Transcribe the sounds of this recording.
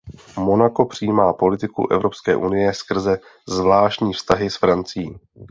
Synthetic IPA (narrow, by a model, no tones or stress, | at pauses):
mo̞nako̞pr̝̥ɪjːmaːpo̞lɪt̪ɪkṵʔɛ̰vɾo̞pskɛːʔunɪjɛskr̩zɛ | zvlaːʃcɲiːfst̪aɦɪsfɾant͡sɪjiː